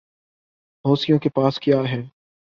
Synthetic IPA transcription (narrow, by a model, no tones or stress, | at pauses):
ɦoːsijõkepaːskjaːɦɛː